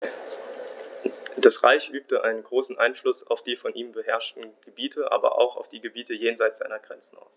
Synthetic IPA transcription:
d̥asʁa̰ɪçʔyːp̚təʔa̰ɪnənɡʁoːsn̩ʔaɪnflʊsa̰ʊfd̥iːfɔnʔiːmbəɦɛɐʃtn̩ɡ̥əbiːtʰəʔa̰ːbɐ̰ʔa̰ʊxa̰ʊfd̥iːɡəbiːtəjeːnzaɪt͡sz̥aɪnɐɡʁɛnt͡sn̩a̰ʊs

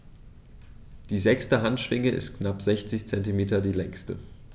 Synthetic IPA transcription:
d̥iːzɛkstəɦantʃv̥ɪŋəɪ̰stknapz̥ɛçt͡sɪçt͡sɛntimeːtɐdiːlɛŋstə̰

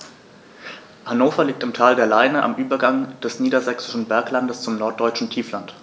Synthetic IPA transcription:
hanoːfɐliːk̚tɪmtʰaːldeːɐlaɪnəʔa̰mʔyːbɐɡaŋd̥ɛsniːdɐzɛksɪ̥ʃn̩bɛɐklandəst͡sʊmnɔɐt̚d̥ɔʏt͡ʃn̩tʰiːflant

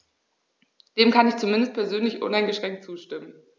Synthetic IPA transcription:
d̥eːmkʰanɪçt͡sumɪndəst̚pʰɛɐzøːnlɪçʔʊ̰naɪnɡəʃʁ̥ɛŋktt͡suːʃtɪmən

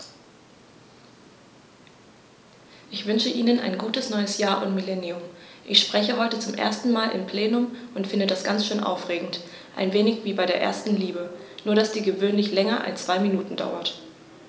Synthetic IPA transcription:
ʔɪçv̥ʏnʃəʔiːnəna̰ɪnɡuːtəsnɔʏəsjaːɐʔʊntmilɛniʊmʔɪçʃpʁ̥ɛçəɦɔʏtət͡sʊmʔḛːɐstn̩maːlʔɪ̰mpʰl̥eːnʊmʔʊntfɪndədasɡ̥ant͡sʃøːnʔa̰ʊfʁ̥eːɡŋ̩t | ʔa̰ɪnveːnɪçv̥iːbaɪɾeːɐʔḛːɐstn̩liːbənuːɐɾasd̥iːɡəvøːnlɪçlɛŋɐʔa̰lst͡sv̥aɪminuːtn̩da̰ʊɐt

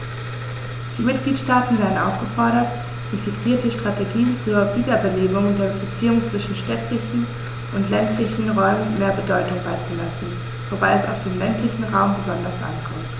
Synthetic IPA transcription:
d̥iːmɪt̚ɡ̥liːtʃtaːtn̩vaɐən̩ʔa̰ʊfɡ̥əfɔɐɾɐt | ʔɪntʰiɡʁiːɐtəʃtʁ̥ateɡiːnt͡suːɐviːdɐbəleːmʊŋdeːɐbət͡siːʊŋt͡sv̥ɪʃn̩ʃtɛtʰlɪçn̩ | ʔʊntlɛntlɪçn̩ʁɔʏmənmeːɐbədɔʏtʊŋbaɪt͡sulasn̩ | v̥obaɪɛsa̰ʊfd̥eːmlɛntlɪçn̩ʁaʊmbəzɔndɐsʔa̰nkʰɔmt

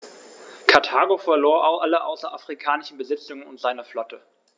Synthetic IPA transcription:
kʰaɐtʰaːɡofɛɐloːɐʔaʊxʔaləʔa̰ʊsɐʔafʁ̥ikʰaːnɪʃn̩bəzɪt͡sʊŋənʊntz̥aɪnɐflɔtʰə

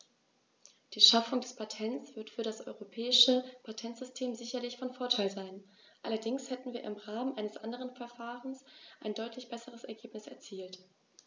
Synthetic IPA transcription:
d̥iːʃafʊŋdɛspʰatʰɛntt͡sv̥ɪɐtfyːɐɾasʔɔ̰ʏʁopʰɛːɪʃəpʰatʰɛntz̥ʏstʰeːmzɪçɐlɪçfɔnfoːɐtʰaɪlzaɪn | ʔalɐdɪŋshɛtn̩viːɐɪmʁaːmənʔaɪnəsʔandəʁ̞ənfɛɐfaːʁənsʔaɪndɔʏtʰlɪçb̥ɛsəʁ̞əsɛɐɡeːpnɪsɛ̰ɐt͡siːlt

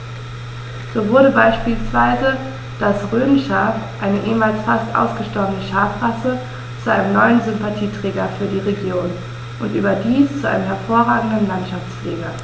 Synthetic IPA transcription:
z̥oːvʊɐɾəbaɪʃpiːlsv̥aɪzə | d̥asʁøːmʃafʔaɪnəʔeːmaːlsfastʔa̰ʊsɡ̥əʃtɔɐbənəʃaːfʁasə | t͡suʔaɪnəmnɔʏənzʏmpatʰiːtʁ̥ɛːɡɐfyːɐdiːʁeɡjoːn | ʔʊntʔy̰ːbɐdiːst͡suʔa̰ɪnəmɦɛɐfoːɐʁaːɡŋ̩dən̩lantʃaft͡sfleːɡɐ

